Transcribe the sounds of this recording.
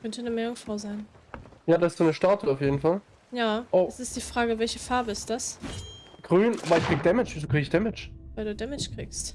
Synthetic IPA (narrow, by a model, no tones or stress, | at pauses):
kʰœntənəmɛːʊŋsfʁ̥aʊzaɪnjaːdasɪsd̥unəʃtaɐtʰuaʊfjeːdn̩fal | jaːʔoɛsɪstd̥iːfʁ̥aːɡəvɛlçəfaɐbəɪstd̥as | ɡ̥ʁyːnʔabɐɪçkʁ̥iːɡəd̥ɛmɪt͡ʃzoːkʁ̥iːɡɪçd̥ɛmɪt͡ʃvaɪlduːdɛmɪt͡ʃkʁ̥ḭːkst